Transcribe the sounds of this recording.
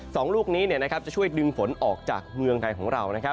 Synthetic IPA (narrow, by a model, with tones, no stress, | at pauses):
sɔː˩˦ŋluː˥˩k̚niː˦˥ni˥˩na˦˥kʰp̚t͡ɕa˨˩t͡ɕʰu˥˩əjdɯ˧ŋfo˩˦nʔɔː˨˩k̚t͡ɕa̰ː˨˩k̚mɯ˧əŋt̪ʰa˧jkʰɔː˩˦ŋɾa˧wna˦˥kʰp̚